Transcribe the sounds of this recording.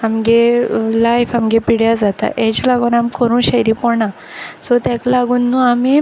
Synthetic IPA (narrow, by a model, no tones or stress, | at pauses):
amɡelajfamɡepiɽjad͡zat̪a̰ʔed͡ʑlaɡuːnamkəɾũːɕajɾiːpɔɳã | sɔt̪ɛ̃klaɡuːnːuami